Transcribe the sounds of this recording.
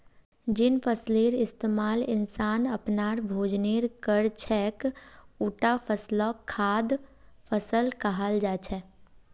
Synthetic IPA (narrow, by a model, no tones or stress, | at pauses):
d͡ʒɪnpʰəsleːɾɪst̪eːmaːlɪnsaːnəpnaːɾbʱoːd͡ʒneːɾkəɾt͡ʃʰɛːkuːʈapʰəslɔkʰːaːd̪pʰəsəlkaɦald͡ʒaːt͡ʃʰɛː